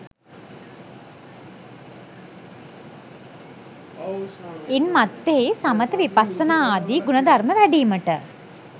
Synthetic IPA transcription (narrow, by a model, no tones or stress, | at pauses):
inmat̪ːeesamət̪əʋipasːənaːaːd̪iɡunəd̪ʱarməʋæɖiːməʈə